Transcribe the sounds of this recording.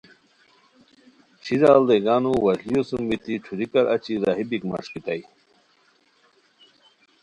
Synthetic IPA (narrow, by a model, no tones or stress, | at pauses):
t͡ɕʰizaːld̪eɡaːnuwɐʑlijosumbit̪iʈ͡ʂʰuɾikɐɾɐt͡ɕiɾaːɦibikma̰ʂkit̪ɐj